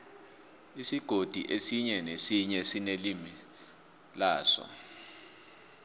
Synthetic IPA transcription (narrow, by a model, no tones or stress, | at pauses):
isiɡ̥ʱod̥ʱḭʔesiɲɛnesiɲɛsinelimi | laːsɔ̰